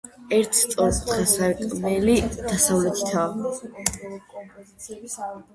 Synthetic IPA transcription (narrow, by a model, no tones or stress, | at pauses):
ɛɾt̪ʰt̪sʼɔlpʰt̪ʰasaɛt̪ʼmɛlid̪̥asavlɛt̪ʰi̥t̪ʰa